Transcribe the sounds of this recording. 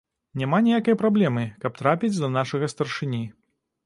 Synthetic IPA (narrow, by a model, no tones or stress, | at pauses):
nʲamanʲɛjakɐjɐpɾablʲɛmɨkɐp̚t̪ɾapʲid͡zʲd̪ɐnaʂɐɣɐst̪ɐrʂɨnʲi